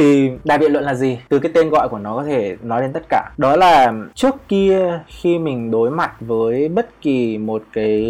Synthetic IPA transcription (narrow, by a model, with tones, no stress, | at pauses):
i˨˩ɗaː˧˩ɓḭ˧˨nlwə̰˧˨nlaː˨˩zi˨˩t̪ɨ˨˩k̬aː˨˦jt̪e˧nɣɔ̰˧˨jku˧˩ənɔ˨˦kɔ˨˦t̪ʰe˧˩nɔ˨˦jle˧nt̪ə˦˥t̚kaː˧˩ɗɔ˨˦laː˨˩t͡ɕɨ˦˥əkːi˧əxi˧mï˨˩ŋ̟ɗo˨˦jma˨˩t̚vəː˨˦jɓə˦˥t̚ki˨˩mo˨˩t̚kaː˨˦j